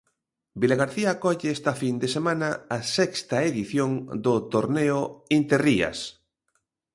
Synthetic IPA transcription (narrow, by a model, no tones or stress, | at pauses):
bilaɣaɾθiakɔʎeɛst̪afind̪esemãnɐasɛkst̪ɐeðiθjoŋd̪ot̪oɾneoint̪eriɐ̰s